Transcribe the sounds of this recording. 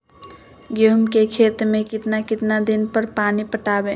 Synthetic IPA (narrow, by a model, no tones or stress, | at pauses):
ɡomkekʰet̪mẽkɪt̪nakɪt̪nad̪ɪnpəɾpaːnipəʈaːbẽ